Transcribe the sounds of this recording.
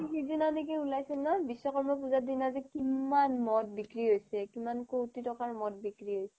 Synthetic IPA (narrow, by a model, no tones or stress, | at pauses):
ikizinanikɛulajsɛmnabisːɔkɔɹmɔp̬uzadinazɛkimanmɔt̚bikɹiɦojsɛkimankotitɔkaɹmɔt̚bikɹiɦojsɛ